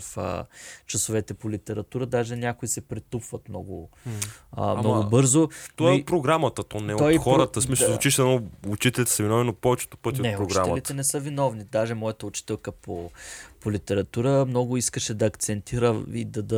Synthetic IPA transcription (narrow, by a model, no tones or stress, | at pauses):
fə̰t͡ʃɐsovɛt̪ɛpolit̪ɛɾɐt̪uɾəd̪aʒɛnʲakʊisɛpɾit̪upvɐt̪mnɔ̰ɡʊ | ə̰mnɔɡʊbɤɾzot̪ɔɛot̪pɾoɡɾamɐt̪ət̪ɔnɛoj̪ixɔɾət̪əsmisˠot͡ʃiʃɛnɔʊt͡ʃit̪ɛlit̪ɛ̥sɐvinɔvinot̪̚pɔvɛt͡ʃɛ̥t̪o̥pɤt̪ʲionɛpɾoɡɾaɛlit̪ɛnɛsɤvinɔvnid̪aʒɛmɔjət̪əʊt͡ʃi̥t̪ɛlˠkəpopolit̪ɛɾɐt̪uɾəmnɔɡʊiskəʃɛd̪ɐːkt̪sɛnt̪iɾəḭd̪ɐd̪ɐ